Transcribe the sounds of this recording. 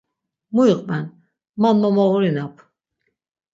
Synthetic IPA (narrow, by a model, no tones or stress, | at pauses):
muiqʼmɛn | manmɔmɔɣuɾinapʰ